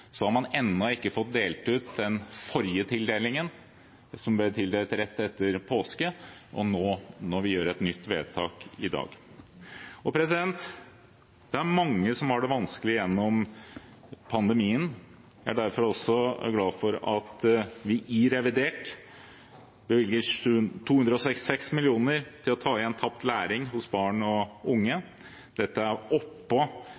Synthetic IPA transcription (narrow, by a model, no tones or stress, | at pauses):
sɔhɑɾmɑnɛnːɔɪkːəfɔt̪̚d̪eːlt̪ʉːt̪̚d̪ɛnfɔɾjət̪ʰɪld̪eːlɪŋən | sɔmblɪt̪ʰɪld̪eːlt̪ɾɛt̪ːɛt̪ːəɾpʰoːskəʔɔ̰noːnɔɾʋɪjøːɾɛt̪nʏt̪ːʋeːd̪t̪ʰɑːkɪd̪ɑ̰ːɡ | ɔpʰɾɛs̬ɪd̪ɛnt̪ | d̪̥ɛæɾmɑŋːəsɔmhɑɖɛʋɑnskəlɪəjɛnːɔm | pʰɑnd̪əmiːən | æɖæɾfɔɾɔsːɔɡlɑːfɔɾɑt̪ʋɪʔɪɾɛʋɪd̪eːʈ | bəʋɪlɡət̪ʰuːʉnd̪ɾəɔsɛkst̪ɪ̥sɛksmɪlɪuːnəɾt̪ʰɪlɔt̪ʰɑːɪɛnt̪ʰɑp̚t̪læːɾɪŋɦʊsbɑːɳɔʊŋːə | d̪ɛt̪ːəæɾɔpːɔ